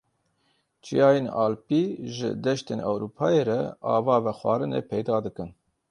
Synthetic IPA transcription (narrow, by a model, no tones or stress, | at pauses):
t͡ʃijɑːjenɑːlpiːʒɪ̰d̪ɛʃt̪eːnʔɛ̰wɾuːpʰɑːjeːɾɛɑ̰ːvɑːvɛxwʷɑ̰ːɾɨnḛːpʰɛjd̪ɑːd̪ɨkɨn